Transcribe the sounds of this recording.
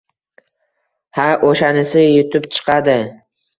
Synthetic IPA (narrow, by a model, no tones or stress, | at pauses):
haʔoʃanɪsɪjʊt̪ʰʊpt͡ʃʰɨ̥qʰad̪ɪ